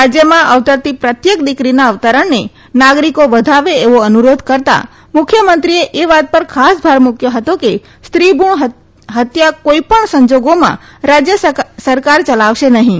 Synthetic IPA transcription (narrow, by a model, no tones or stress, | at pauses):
ɾad͡ʒjəmãʔəʋt̪əɾt̪ipɾət̪jek̚d̪ikɾinaəʋt̪əɾəɳne | naɡɾikoʋəd̪ʱaʋeeʋoənuɾod̪ʱkəɾt̪a̰ | mʊkʰjəmənt̪ɾieʔeʋat̪̚pəɾkʰasbʱaɾmʊkʰjoɦət̪oke | st̪ɾibʱuɳɦ | ɦət̪jakoipəɳsə̃ɲd͡ʒoɡomã̰ɾad͡ʒjəsəɾkaɾt͡ʃəlaʋʃenəɦĩ